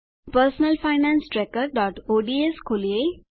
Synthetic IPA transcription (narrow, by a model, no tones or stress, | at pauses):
pəɾsnəlfaɪnãnsʈɾekəɾɖɔːʈoːɖieskʰolie